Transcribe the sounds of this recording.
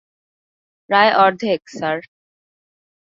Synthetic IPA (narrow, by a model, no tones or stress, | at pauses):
ɾaeʔɔɾd̪ʱeksaɾ